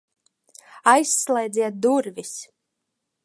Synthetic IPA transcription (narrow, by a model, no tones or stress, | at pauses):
ajsːlˠɛjd̪zʲiɛt̪̚d̪uɾvis